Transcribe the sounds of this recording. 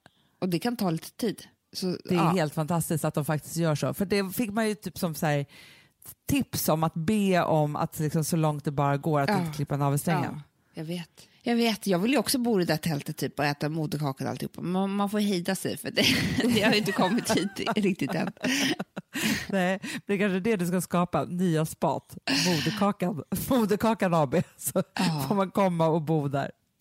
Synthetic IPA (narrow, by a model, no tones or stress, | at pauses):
ɔd̪ɛkʰant̪ʰɑːliːt̪ʰə̥t̪ʰiːd̪ | sɔd̪ɛæɾheːlt̪fant̪ʰast̪ɪskt̪at̪̚d̪ɔmfak̚t̪ɪ̥st̪jœːʂo̰ːfœɖɛfɪkːmanjɵt̪ʰyːpsɔmsæːɾ | t̪ʰɪpsɔmat̪beːɔma̰t̪lɪksɔmsɔlɔŋt̪̚d̪ɛbɑːɾaɡoːɾat̪ɪnkʰlɪpːanɑːvɪsɛŋːə̰n | jɑɡveːt̪jɑːɡveːt̪jɑːɡvɪljɔksɔbuːɾɛd̪æt̪ʰɛlt̪ət̪ʰːyːpːɔɛːt̪amuːd̪əkʰɑːkana̰lt̪ɪʊ̰pʰːa̰mɛmanfoːjhɛːd̪asɛ̰jfœatd̪ɛd̪ɛhaaɾjɪnt̪əkʰɔmːɪt̪hiːt̪ɾɪk̚t̪ɪt̪ɛ̰n | nɛːmɛnɛkʰanʂəd̪ɛd̪ɵskaskɑːpanyːaspɑ̰ːt̪muːd̪əkʰɑːkanmuːd̪əkʰɑːkanavbesɔfoːɾmankʰɔmːaɔbuːd̪æ̰ɾ